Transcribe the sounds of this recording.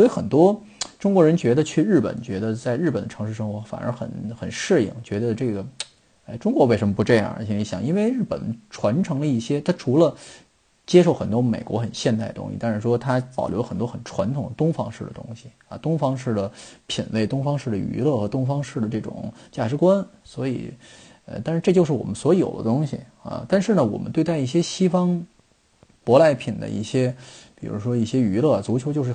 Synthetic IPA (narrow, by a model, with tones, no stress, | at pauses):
swi˧˥xə˨˩nt̪wɔ˥ | ʈ͡ʂʊ˥ŋkwɔ˧˥ɻə˧˥nt͡ɕɥɛ˧˥d̪ə˧t͡ɕʰy˥˧ɻ̩˥˩pə̰˨˩nt͡ɕɥɛ˧˥d̪ə˧t͡sa˥˧ɪɻ̩˥˩ə˨˩nd̪ə˦ʈ͡ʂʰɤ˧˥ŋʂɻ̩˥˩ʂɤ˥ŋxwɔ˧˥fa̰˨˩nʔə̰˧˥xə̰˨˩˦nxə˨˩nʂɻ̩˥˩ḭ˨˩ŋt͡ɕɥɛ˧˥d̪ə˧ʈ͡ʂɤ˥˩ɡə˩ | a˥˩ɪʈ͡ʂʊ˥ŋkwɔ˧˥we˥˩ɪʂə˧˥mə˧pʈ͡ʂɤ˥˧jɑ̰˥˩i˧˥˩ni˧˥ɕjɑ̰˨˩ŋʔi˥nwe˥˧ɪɻɻ̩˥˩pə̰˨˩nʈ͡ʂʰwa˧˥nʈ͡ʂʰɤ˧˥ŋlə˧i˥˩ɕjɛ˥t̪ʰa˥ʈ͡ʂʰu˧˥lə˧ | t͡ɕjɛ˥ʂo˥˩ʊxə˨˩nt̪wɔ˥me˨˩ɪkwɔ˧˥xə˨˩nɕjɛ˥˧nt̪a˥˩ɪdət̪ʊ̰˥ŋɕḭ˧˩t̪a˥˩nʂɻ̩˥˩ʂwɔ˥t̪ʰa˥pɑ̰˨˩ʊljo˧˥ʊxə˨˩nt̪wxə˨˩nʈ͡ʂʰwa˧˥nt̪ʰʊ˨˩ŋd̪ə˦t̪ʊ˥ŋfɑ̰˥ŋʂɻ̩˥˩d̪ə̰˩t̪ʊ̰˥ŋɕi˨ | ɐ̰˧˩t̪ʊ˥ŋfɑ˥ŋʂɻ̩˥˩d̪ə˩pʰi˨˩nwe˥˩ɪt̪ʊ˥ŋfɑ˥ŋʂɻ̩˥˩d̪ə˩y̰˧˥lɤ˥˩xɤ˧˥t̪ʊ˥ŋfɑ˥ŋʂɻ̩˥˩d̪ə˩ʈ͡ʂɤ˥˩ʈ͡ʂʊ̰˨˩˦ŋt͡ɕja˥˩ʈ͡ʂɻ̩˧˥kwa˥nswɔ˧˥ḭ˨˩ | ə̰˧t̪a˥˧ʂɻ̩˥˧ʈ͡ʂɤ˥˧˩t͡ɕjʂɻ̩˥˩wɔ̰˨˩mə˦nswɔ˧˥jo̰˨˩ʊd̪ə̰˦t̪ʊ˥ŋɕi˨˩ | ɐ̰˧t̪a˥˧nʂɻ̩˥˩nə˩wɔ̰˨˩mə˦nt̪we˥˧ɪt̪a˥˧ɪi˥˩ɕjɛ˥ɕi˥fɑ˥ŋ | pwɔ˧˥la˧˥ɪpʰi˨˩nd̪ə̰˦ḭ˥˩ɕjɛ˥pi˨˩ɻṵ˧˥ʂwɔ˥i˥˩ɕjɛ˥y˧˥lɤ˥˩a˩t͡su˧˥t͡ɕʰjʊt͡ɕjo˥˧ʊʂɻ̩˥˩